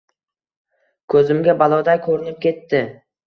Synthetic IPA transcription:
kʰɵzɪmɡʲabalˠɒd̪ajkʰɵɾɪnɪp̚kʲʰe̞t̪ːɪ

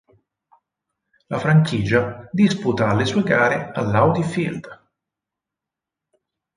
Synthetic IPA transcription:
lafɾaŋkiːd͡ʒad̪isput̪aːlːesuːeɡaːɾealːawd̪ifild̪̥

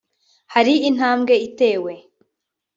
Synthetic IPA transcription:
haɾiin̥aːmɡe̞ite̞ːwe̞

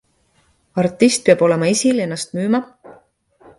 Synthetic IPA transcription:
ɑrt̪ːˑist̪̚peɑbo̞le̞mɑisile̞nːɑst̪̚myːmɑ

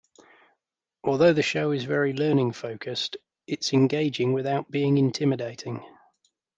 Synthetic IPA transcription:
ʔɔːlˠðəʊðəʃəʊɪzvɛɹilɜːnɪ̃ŋfəʊkʰəst | ɪtsɛ̃nɡeɪd͡ʒɪ̃ŋwɪðaʊʔb̥iːɪ̃ŋɪ̃ntʰɪmɪdeɪtʰɪ̃ŋ

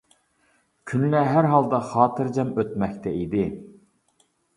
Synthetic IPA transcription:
kʲʰynlɛɦæɾɦɑlˠd̪ɑχɑːt̪ʰɨɾd͡ʒɛmøt̪mɛkʲt̪ʰɛid̪ɪ

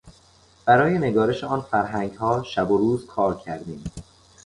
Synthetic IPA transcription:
b̥æɾɒːje̞ne̞ɡɒːɾe̞ʃeɒːnfæɾɦæŋɡhɒːʃæboɾuːzkʰɒːɾcʰæɾd̪iːm

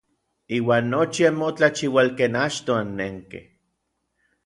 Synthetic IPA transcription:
iːwaːnːot͡ʃiamːot͡ɬat͡ʃiwalkeːnat͡ʃt̪oanːeŋkḛh

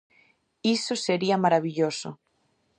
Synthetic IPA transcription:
isoseɾiamaɾaβiʎosʊ̰

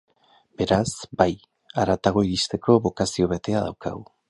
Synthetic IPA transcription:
be̞ɾasbaj | aɾat̪aɣ̞o̞iðist̪e̞kʰo̞βo̞kasio̞βe̞t̪e̞aða̰wka̰ɣu

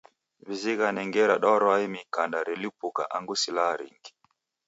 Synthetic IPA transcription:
βiziɣanɛŋɡɛɾaɗɔɾɔaimikandaɾɛlipuka̰ʔaŋɡusilaɾḭŋɡi̥

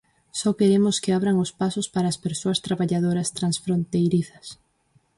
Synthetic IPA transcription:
sɔkeɾemʊskɪaβɾaŋʊspasʊspaɾaːspeɾsoɐst̪ɾaβaʎað̞oɾɐst̪ɾansfɾont̪ejɾiθɐs

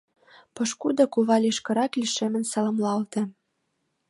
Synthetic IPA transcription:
pɤ̆ʃkud̪ɤ̆kuβɑlʲiʃkɤ̆ɾɑkliʃemɘ̆nsɑlɤ̆mlɑlt̪ĕ

